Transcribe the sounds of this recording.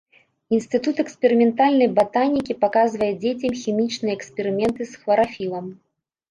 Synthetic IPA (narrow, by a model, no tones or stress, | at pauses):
inst̪ɨt̪ut̪ɛkspʲɛɾɨmʲɛnt̪alʲnɐjbat̪anʲikʲipakazvɐjɛd͡zʲet͡sʲɛmxʲimʲit͡ʂnɨjɛɐɛkspʲɛɾɨmʲɛnt̪ɨsxvɐɾafʲilˠɐm